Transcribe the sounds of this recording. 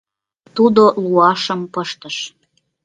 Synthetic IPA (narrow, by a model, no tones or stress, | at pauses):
t̪ud̪oluɑʃəmpəʃt̪ə̆ʃ